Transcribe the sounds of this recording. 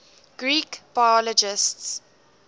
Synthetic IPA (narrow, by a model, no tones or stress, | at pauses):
ɡ̥ɹiːkb̥ajɔlɔd͡ʒɪsts